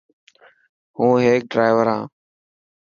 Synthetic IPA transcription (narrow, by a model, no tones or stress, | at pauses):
hũːɦeːk̚ɖɾaːɪʋəɾɦãː